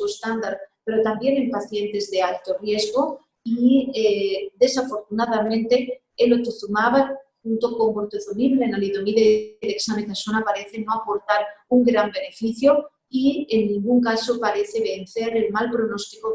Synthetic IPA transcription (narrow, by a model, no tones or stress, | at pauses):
uest̪and̪aɾpe̞ɾo̞t̪ambje̞ne̞mpaθje̞nt̪e̞zðe̞alt̪o̞rje̞zɣo̞ | ied̪e̞safo̞ɾt̪unað̞amẽ̞nt̪e̞ | elot̪oθumaβaxunt̪o̞ko̞ŋmoɾt̪oθumiβlenaliðomiðeðeksamek̪asonapaɾe̞θe̞no̞apo̞ɾt̪aɾuŋɡɾambe̞ne̞fiθjo̞ | ienːĩŋɡuŋkaso̞paɾe̞θe̞βe̞n̟θe̞ɾelmalpɾo̞no̞st̪iko